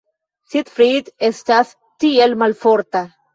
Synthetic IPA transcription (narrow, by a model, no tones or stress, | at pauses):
sit̪fɾiːd̪est̪aθ | t̪ielmalfoɾt̪a